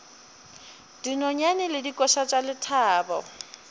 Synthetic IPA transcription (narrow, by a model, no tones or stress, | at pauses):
d̥inɔɲanɪlɪdikʼɔʃat͡ʃʼalɪtʰaːbɔ̰